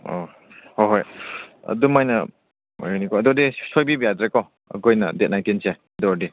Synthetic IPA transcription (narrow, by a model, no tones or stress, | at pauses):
o̰ | hoɦojɐ̰dumajnɐ | ojnikɔɐdɔdisojbibijadɾekɔ | ɐ̰ɡojnɐdet̚najntinse | ɐdɔdi